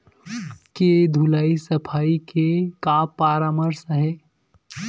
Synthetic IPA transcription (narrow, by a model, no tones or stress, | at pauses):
ked̪ʱulaːisəpʰaːikekaːpːaːɾaːməɾsəɦeː